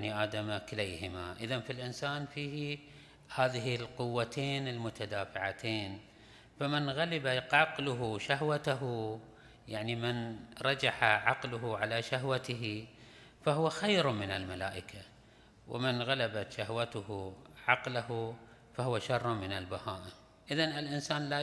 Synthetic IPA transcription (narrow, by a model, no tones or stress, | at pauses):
niʔaːd̪amakɪlajhɪmaʔɪðanfilʔɪnsaːnfiːhi | haːðɪɦilqʊwːat̪ʰeːnɪlmʊt̪ad̪aːfɪʕat̪ʰeːn | famɪnɣalabaɑqlʊɦuʃahwat̪aɦu | jaʕnimɪnɾˤɑd͡ʒaħaʕɑqlʊɦʊʕalaʃaɦwat̪ɪɦi | fahʊwaxajɾmɪnalmalaːʔɪkʰa | wɪ̰mɪnɣalabat̪ʃahwat̪ʊhuʕɑqlahu | fahʊwaʃɑrˤːmɪnalbahaːʔ | ʔɪðanɪlʔɪnsaːnla